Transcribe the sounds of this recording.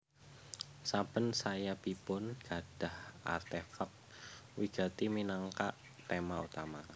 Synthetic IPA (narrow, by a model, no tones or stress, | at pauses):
sab̥ənsajab̥ipʊnɡ̥a̤d̥a̤hʔa̰rt̪efak̚ | wiɡ̥a̤t̪iminaŋka̰ʔ | t̪emaut̪ama